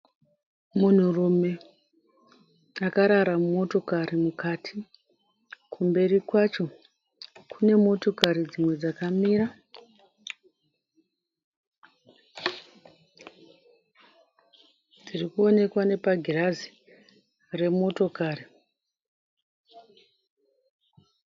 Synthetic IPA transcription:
mun̤urume̞ | akaɾaɾamumo̞to̞kaɾimukatʰi | kʰumbe̞ɾikwat͡ʃo̞ | kʰune̞mo̞to̞kaɾid͡zimwe̞d͡zakamiːra | d͡zirikuo̞ne̞kwane̞paɡʱirazi̥ | re̞mo̞to̞kaːri

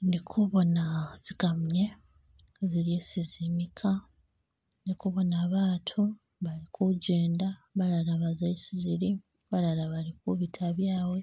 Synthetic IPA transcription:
ndikʰuβo̞naz̥iɡamɲe̞ | ziɾjeːsizimikʰa | ndikuβo̞naːβaːtʰu | βalikʰuɟe̞ːndaβalalaβazaisiziɾi | βalalaβalikuβitʰaβjaːwe̞

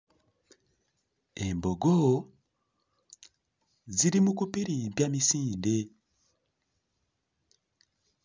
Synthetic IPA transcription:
embo̞ɡo | ziɾimukupiɾibjamisiːnde

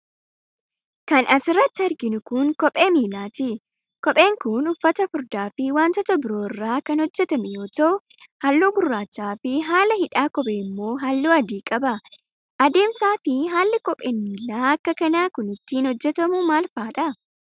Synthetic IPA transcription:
kɐnɐsɪrːɐt̪ːɪɐɾɡɪnʊkʊŋkɔpʼeːmiːlaːt̪ɪ | kɔpʼe̞ːŋkʊnʊfːɐt̪ɐfʊɾd̪aːfɪwaːnt̪ɔt̪ɐbɪɾo̞ːɪrːaːkɐnhɔd͡ʒːɛt̪ɐmɛjo̞ːt̪ɐʔʊ | hɐlːoːɡʊrːaːt͡ʃːaːfɪɦaːlɐhɪᶑaːkɔpʼeːmːo̞ːɦalːoːɐd̪iːkʼɐbɐ | ʔɐd̪e̞ːmsaːfɪɦaːlːɪkɔpʼeːnmiːlaːɐkːɐkɐnaːkʊnɪt̪ːiːnhɔd͡ʒːɛt̪ɐmʊmaːlfaːᶑɐ

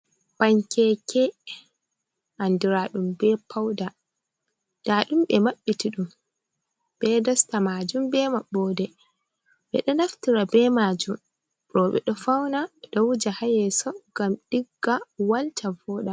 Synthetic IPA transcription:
paɲkɛkʰɛ | ʔandiɾaɗumbɛpʰawda | d̥aɗumɓɛmaɓːitiɗum | b̥ɛdɔstamaːd͡ʒumbɛmaɓːɔːdɛ | ɓɛ̰ɗɔnaftiɾabɛmad͡ʒum | ɾɔɓɛ̰ɗɔfawnaɛɗɔwud͡ʒahajɛsɔɡamɗiɡːawaltʰavɔːɗa

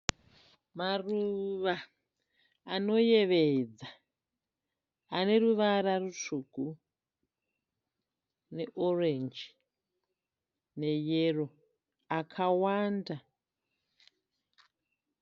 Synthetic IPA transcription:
maruʋaː | no̞je̞ʋed͡za | ane̞ruʋaɾarut͡ʂuku | ne̞ʔorend͡ʒi | ne̞jero̞ | akʰawaːnda

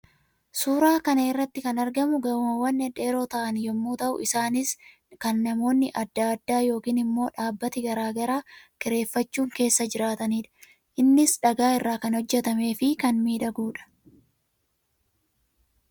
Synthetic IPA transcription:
suːɾaːkɐnɐɪrːɐt̪ːɪkɐnɐɾɡɐmʊɡɐwʊmɐwɐnːɛᶑe̞ːɾoːt̪ɐʔɐnjɛmːuːt̪ɐʔʊ̰ʔɪsaːnɪs | kɐnːɐmo̞ːnːɪʔɐd̪ːaɐd̪ːaːjo̞ːkiːnɪmːo̞ːᶑaːbːɐt̪ɪɡɐɾaːɡɐɾaːkɪɾe̞ːfːɐt͡ʃːuːŋke̞ːsːɐd͡ʒɪɾaːt̪ɐniːᶑɐ̥ | ʔɪnːɪsᶑɐɡaːɪrːaːkɐnhɔd͡ʒːɛt̪ɐme̞ːfɪkɐnmiːᶑɐɡuːᶑɐ̥

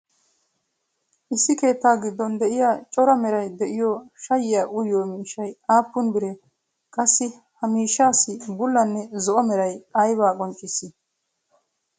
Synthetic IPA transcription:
ʔɪsːɪke̞ːt̪ːaːɡɪd̪ːɔnd̪ɛʔɪjaːt͡ʃʼɔɾɐmɛɾɐjd̪ɛʔɪjɔʃɐjɪjaːʔʊjoːmiːʃːɐjaːpːʊnbɪɾɛ | kʼɐsːɪ | hɐmiːʃːaːsɪbʊlːɐnːɛzɔʔɔmɛɾɐjɐjbaːkʼɔnt͡ʃʼːɪsːɪ

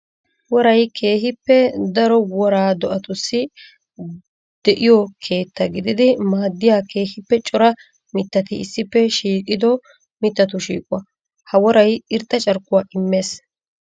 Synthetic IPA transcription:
wɔɾɐjkʰeːhɪpːɛd̪ɐɾɔwɔɾaːd̪ɔʔɐt̪ʊsːɪ | d̪̥ɛʔɪjɔkʰe̞ːt̪ːɐɡɪd̪ɪd̪ɪmaːd̪ːɪjaːkʰe̞ːhɪpːɛt͡ʃʼɔɾɐ | mɪt̪ːɐt̪ɪɪsːɪpːɛʃiːkʼɪd̪ɔ | mɪt̪ːɐt̪̬ʊʃḭːkʼʊwɐ | hɐwɔɾɐjɪɾt̪ːɐt͡ʃʼɐɾkːʊwaːʔɪmːe̞ːs

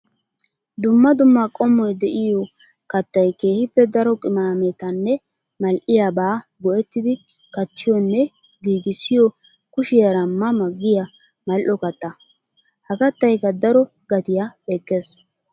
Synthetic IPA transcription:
d̪ʊmːɐd̪ʊmːakʼɔmːɔjd̪ɛʔɪjɔ | kɐt̪ːɐjke̞ːhɪpːɛd̪ɐɾɔkʼɪmaːmɛt̪ɐnːɛ | mɐlʔɪjabaːɡɔʔɛt̪ːɪd̪ɪ | kɐt̪ʰːɪjɔnːɛ | ɡiːɡɪsːɪjɔ | kʊʃɪjɐɾɐmːɐmɐɡːɪjɐ | mɐlʔɔkɐt̪ːɐ | hɐkɐt̪ːɐjkːɐd̪ɐɾɔ | ɡɐt̪ɪjabɛkːeːs

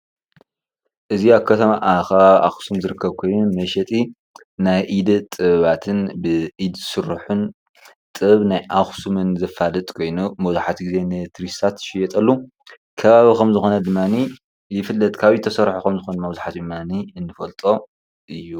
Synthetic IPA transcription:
ʔɨziaβkʰɐt̪ʰɐmaʔxɐβaβaxsumzɨɾɨkʰːɐβkʰo̞jnumɐʃɛt̪ʼi | najʔid̪t̪ʼɨβat̪ʰɨnbɨʔid̪sɨɾħun | t̪ʼɨβnajʔaxsumɨnzɐfalɨt̪ʼkʰo̞jnumɐzaħat̪ɡize̞nɨt̪ɾist̪ʰat̪ʃɪjɛt̪ʼɐlːu | kʰɐβaβikʰɐmzɨxo̞nɐd̪ɨmːani | jɪfɨlːɐt̪ʼkʰaβit̪ʰɐsɐɾħokʰɐmzɨxonmɐwzaħat̪d̪ɨmːaniɨnːɨfɐlt̪ʼo | ʔɨjːu

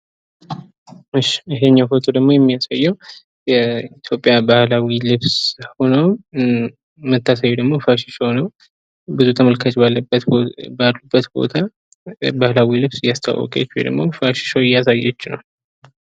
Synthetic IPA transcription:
ɨʃːɪɦeɲːawfot̪ʰod̪əɡmo̞jɛmːijasajːɛw | jɛit̪ʰjo̞pʼjabahlawilɨβsho̞nəw | mət̪ʰːasajːud̪əɡmofaʃɪʃownəw | bɨzut̪ʰəməlkʰət͡ʃʼbalːbəbalːubːət̪bo̞̰t̪ʰa | bahlawilɨβsɨjːast̪ʰa̰wːə̰kʼa̰t͡ʃːhojd̪ə̰ɡmo̞faʃɪ̥ʃawɪjːasajːɛt͡ʃːnə̰w

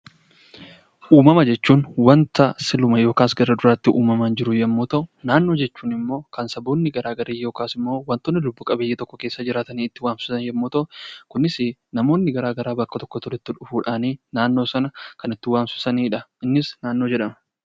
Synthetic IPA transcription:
ʔuːmɐmɐd͡ʒɛt͡ʃːuːnwɐnt̪ɐsɪlʊmɐjo̞ːkaːsɡɐrːɐd̪ʊɾaːt̪ːɪʔuːmɐmaːnd͡ʒɪɾʊjɛmːuːt̪ɐʔʊnaːnːo̞ːd͡ʒɛt͡ʃːuːnɪmːo̞ːkɐnsɐboːnːɪɡɐɾaːɡɐɾeːjo̞ːkaːsɪmːo̞ːwɐnt̪oːnːɪlʊbːʊkʼɐbejːeːt̪ɔkːɔke̞ːsːɐd͡ʒɪɾaːt̪ɐniːɪt̪ːɪwaːnfɪsɪsɐnjɛmːuːt̪ɐʔʊkʊnɪsɪnɐmo̞ːnːɪɡɐɾaːɡɐɾaːbɐkːɐt̪ɔkːɔt̪ʊɾɪt̪ːɪᶑʊfuːᶑaːniːnaːnːoːsɐnɐkɐnɪt̪ːɪwaːnsɪ̥sɐniːᶑɐɪnːɪsnaːnːo̞ːd͡ʒɛᶑɐmɐ̥

